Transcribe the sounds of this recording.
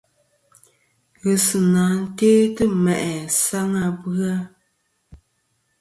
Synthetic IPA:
ɣə˨sɨ˨naː˨˦n̩˦teː˦tɨ˦mɛ˨ʔɛ˨sa˦ŋa˦bɨ˦a˦

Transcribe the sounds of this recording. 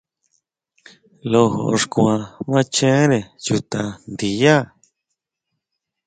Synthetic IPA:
lo˧ɦo̰˨˧ʐkũ˧ã˧βã˦t͡ʃẽ˦ɾe˨ju˧t̪a˧nd̪i˨ja˦˨

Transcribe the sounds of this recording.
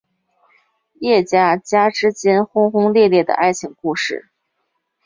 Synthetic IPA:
jɛ˥˩t͡ɕja˥˩t͡ɕja˥ʈ͡ʂɻ̩˥t͡ɕjɛ˥nxʊ˥ŋxʊ˥ŋljɛ˥˧ljɛ˥˩d̪ə̰˩ʔa˥˩ɪt͡ɕʰi˨˩˦ŋku˥˧ʂɻ̩˥˩

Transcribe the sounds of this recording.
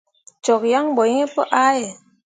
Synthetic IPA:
t͡ʃɔ˨kja˦ŋbɔ˨˦e˦pə̰˦ʔa˦je˨

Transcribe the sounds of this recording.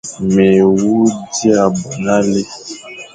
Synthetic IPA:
mɛ˨wu˦di˦a˦˨bu˨na˦le˦

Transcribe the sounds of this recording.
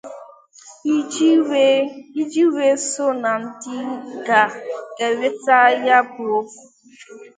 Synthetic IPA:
i˦d͡ʒi˦we˦sʊ˦na˨n̩˦di˦ɡa˨ke˨ɾe˦ta˦ja˦bo˦fu˨

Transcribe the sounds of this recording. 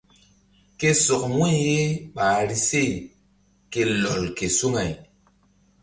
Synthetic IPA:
ke˦so˨kmu˦je˦ɓaː˨ɾi˦se˦˨ | ke˨lo˨lke˨su˦ŋa˨j

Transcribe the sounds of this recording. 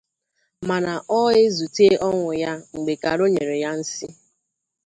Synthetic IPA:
ma˨na˨ʔɔ˦e˦zu˨te˦ʔɔ˦ŋʷʊ˨ja˦ŋ͡m̩˨ɡ͡be˨ka˨ɾo˦ɲe˨ɾe˨ja˦n̩˦sɪ˦

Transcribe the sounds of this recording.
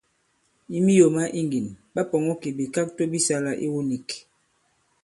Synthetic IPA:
i˦mi˦jo˨ma˦ʔi˦ŋɡi˨nba˦pɔ˨ŋɔ˦ki˨bi˨ka˦k̚to˦bi˦sa˦la˦ʔḭ˦wo˦ni˨k

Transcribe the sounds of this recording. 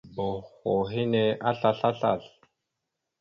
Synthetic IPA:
bo˨xo˨ɦi˦ne˦ʔa˦ɬa˦ɬa˦ɬa̰˦˨ɬ

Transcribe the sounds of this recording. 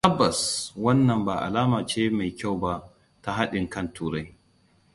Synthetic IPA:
ʔɐ˦bːɐ˨swɐ˦nːɐ˨mbaː˨ʔa̰˨laː˦maː˨t͡ʃeː˦ma˨jkʲa˦˨wba˦ | ta˦ɦa˦ɗɪ˨ŋkɐ˦˨ntʰuː˨ɾɐ˦j

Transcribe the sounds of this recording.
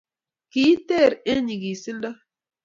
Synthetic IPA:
ki˨˦te˦˨ɾe˦ɲi˨ɡi˨si˦nda˦

